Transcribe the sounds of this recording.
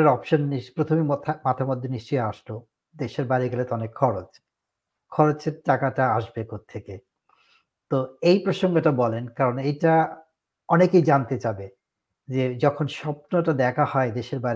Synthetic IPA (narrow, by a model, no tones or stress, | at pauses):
eɾɔpʃonːipɾot̪ʰomimat̪ʰamod̪ʱːoniʃt͡ɕojeaʃlo | d̪eʃeɾbaɾiɡɛlet̪ɔnekʰːɔɾot͡ɕ | kʰɔɾot͡ɕeɾʈakaʈaaʃbekot̪ʰːeke | t̪oejpɾoʃoŋɡeʈabɔlenkaɾonejʈa | ɔnekejd͡ʑant̪et͡ɕabe | d͡ʑed͡ʑɔkʰonʃɔpnoʈad̪ɛkʰahɔed̪eʃeɾbaɾi